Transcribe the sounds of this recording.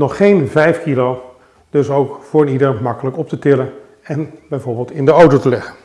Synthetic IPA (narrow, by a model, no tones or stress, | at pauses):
nɔχːejnvɛjfkilo | d̥øsowkfʊːɹənidəɹmɑkələkɔp̚tətɪlən | ɛnbɛjvʊːɹbɪːlˠtɪndəowtotəlɛχən